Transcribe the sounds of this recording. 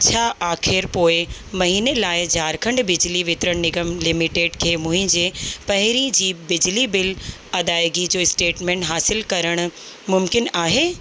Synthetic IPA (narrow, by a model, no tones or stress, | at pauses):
t͡ɕʰaːʔaːxɪɾpoːɪmɐɦiːnelaːɪd͡ʑʱaːɾkʰə̃ɳɖbɪd͡ʑliʋɪt̪ɪɾəɽ̃nɪɡəmlɪmɪʈeːɖkʰeːmʊ̃ɦɪ̃ɲd͡ʑeːpɐɦɪɾid͡ʑiːbɪd͡ʑlibɪl | ɐd̪aːɪɡid͡ʑoːɪsʈeːʈmẽːɳʈɦaːsɪlkɐɾəɽ̃ʊ̆ | mʊmkɪnaːɦeː